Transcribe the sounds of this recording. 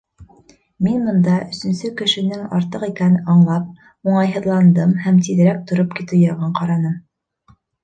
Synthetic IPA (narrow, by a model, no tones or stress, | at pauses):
minmŏnd̪ɑʔɵ̆sɵ̆nsɵkɘ̆ʃɘ̆nɘŋɑɾt̪ɤqikænɑɴlˠɑp̚ | uɴɑjɦɤ̆ðlˠɑnd̪ɤmhæmt̪iðɘ̆ɾæk̚t̪ŏɾopkit̪ɘjɑʁɤɴqɑɾɑnɤm